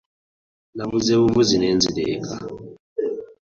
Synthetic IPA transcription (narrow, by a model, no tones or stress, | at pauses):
namuzeβuvuzinɛnd͡zilɛːka̰